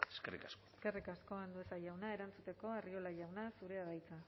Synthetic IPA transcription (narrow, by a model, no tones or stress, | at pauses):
eskerḭkaskoske̞rikasko̞and̪ue̞sajawnae̞ɾant͡sut̪e̞ko̞ario̞laʝawnasuɾe̞aðajt͡sa